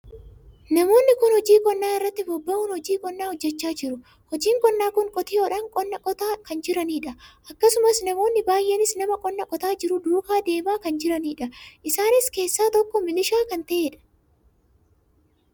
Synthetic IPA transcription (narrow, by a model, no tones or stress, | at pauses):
nɐmo̞ːnːɪkʊnhɔd͡ʒiːkʼɔnːaːɪrːɐt̪ːɪbɔbːɐʊnhɔd͡ʒiːkʼɔnːaːhɔd͡ʒːɛt͡ʃːaːd͡ʒɪɾʊ | hɔd͡ʒiːŋkʼɔnːaːkʊŋkʼɔt̪ɪːoːᶑɐŋkʼɔnːɐkʼɔt̪aːkɐnd͡ʒɪɾɐniːᶑɐʔɐkːɐsʊmɐsnɐmo̞ːnːɪbaːjʔenɪsnɐmɐkʼɔnːɐkʼɔt̪aːd͡ʒɪɾʊd̪uːkaːd̪e̞ːmaːkɐnd͡ʒɪɾɐniːᶑɐʔɪsaːnɪske̞ːsːaːt̪ɔkːɔmɪlɪʃaːkɐnt̪ɐʔeːᶑɐ̥